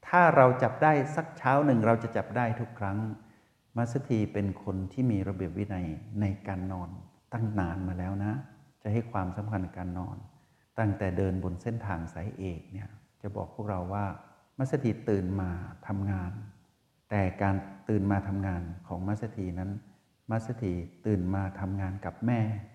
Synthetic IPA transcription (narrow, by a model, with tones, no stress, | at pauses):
t̪ʰaː˥˩ɾa˧wt͡ɕa˨˩p̚daː˥˩jsa˨˦˩k̚t͡ɕʰaː˦˥wnɯ˨˩ŋɾa˧wt͡ɕa˨˩ʔt͡ɕa˨˩p̚daː˥˩jt̪ʰu˦˥kʰːɾa˦˥ŋ | ma˦˥t̪̚sa˧t̪ʰiː˧pe˧nkʰo˧nt̪ʰiː˥˩miː˧ɾa˧bi˨˩əp̚wi˦˥na˧jna˧jkaː˧nːɔː˧nt̪a˥˩ŋnaː˧nmaː˧lɛː˦˥wna˦˥t͡ɕa˨˩ha˥˩jkʰwaː˧msa˨˩˦mkʰa˧nːa˧˩kaː˧nːɔ̰ː˧n | t̪a˥˩ŋt̪ɛː˨˩dɤː˧nbo˧nse˥˩nt̪ʰaː˧ŋsa˩˦jʔeː˨˩k̚ni˥˩ɐt͡ɕa˨˩bɔ̰ː˨˩k̚pʰu˥˩k̚ɾa˧wːaː˥˩ | ma˦˥t̚sa˧t̪ʰi˧˩t̪ɯː˨˩nmaː˧t̪ʰa˧mŋaː˧n | t̪ɛː˨˩kaː˧nt̪ɯː˨˩nmaː˧t̪ʰa˧mŋaː˧nkʰɔː˩˦ŋma˦˥t̚sa˧˥t̪ʰiː˧na˦˥n | ma˦˥t̚sa˧t̪ʰi˧˩t̪ɯː˨˩nmaː˧t̪ʰa˧mŋaː˧nka˨˩p̚mɛː˥˩